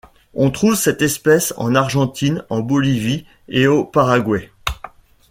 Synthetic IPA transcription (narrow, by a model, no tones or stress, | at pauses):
ɔ̃t̪χuvsɛt̪ɛspɛsɑ̰̃naʁʒɑ̃t̪ʰinɑ̃bɔlivi | eopaʁaɡwɛ